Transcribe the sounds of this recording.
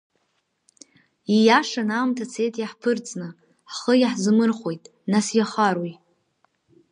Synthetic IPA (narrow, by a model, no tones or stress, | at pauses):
ijaʂanaːmtʰat͡sʰe̞jtʼjaħpʰɨrt͡sʼnɨ | χəjaħzɨmɨrχʷo̞jtʼ | nasjaχaɾwij